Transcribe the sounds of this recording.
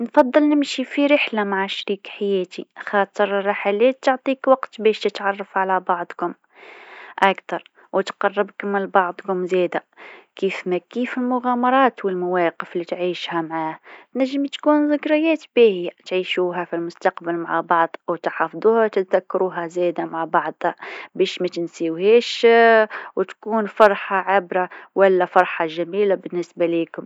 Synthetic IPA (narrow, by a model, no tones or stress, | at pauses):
nfɑd̪ˤːɨlnɪmʃifiɾɪħlamaʕaʃɾiːkħajɛːt̪ḭxɑːt̪ˤəɾrɑħaleːt̪ːʊʕt̪ˤiːkwɑqt̪bɛːʃt̪ət̪ʕɑrˤːɑfʕalæbɑʕd̪ˤkʊm | ʔækt̪ɑɾˤ | wt̪qɑrˤːɪbkɪmɪlbɑʕd̪ˤkʊmzɛːd̪ækiːfmækiːfɪlmʊɣaːmɑɾˤɑːt̪wɪlmawæːqəflit̪ʕiːʃhæmaʕaːhæt̪næʒːɪmt̪kuːnzɪkɾɑjaːt̪bihɪjːat̪ʕiːʃuːɦafilmʊst̪ɑqbalmaʕabɑʕd̪ˤwt̪ħɑfd̪ˤuːhat̪ɪd̪akːɾuːɦazeːd̪amaʕabɑʕd̪ˤhabeːʃmæt̪ɪnsiːwheːʃ | wɪt̪kuːnfɑɾˤħɑʕɪbɾawalːafɑɾˤħɑʒamiːlabɪnːɪsbaliːkʊm